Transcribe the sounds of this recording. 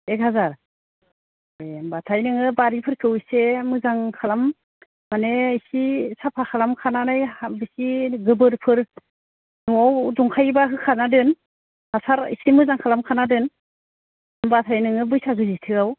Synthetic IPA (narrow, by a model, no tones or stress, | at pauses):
ek̚hazaɾ | ojbatʰajnɯŋɯbaɾipʰɯɾkʰɯwsemɯzaŋkʰalam | manesisapʰakʰalamkʰananɯjbɯsiɡɯbɯɾpʰɯɾ | nuawduŋkʰajbaɦɯkʰanadɯn | hasaɾḭsimɯzaŋkʰalamkʰanadɯn | mbatʰajnɯŋɯbɯjsaɡɯzitʰɯaw